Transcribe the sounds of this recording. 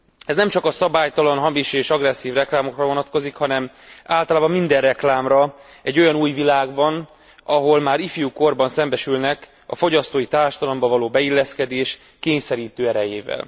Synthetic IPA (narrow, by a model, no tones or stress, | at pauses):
ɛznɛmt͡ʃɒkɒsɒbaːjt̪ɒlɒnɦɒmiʃieːʃɒɡrɛsːiːvrɛklaːmo̞krɒvo̞nɒt̪ko̞zikhɒnɛm | aːlt̪ɒlaːbɒmːind̪ɛrrɛklaːmrɒɛɟːo̞jɒnuːjvilaːɡbɒn | ɒɦo̞lmaːɾifjuːko̞rbɒnsɛmbɛʃylnɛk | ɒ̰fo̞ɟɒst̪oːjit̪aːrʃɒd̪ɒlɒmbɒvɒloːbɛilːɛskɛd̪eːʃ | keːɲsɛɾiːt̪øːɛɾɛjeːvɛ̰l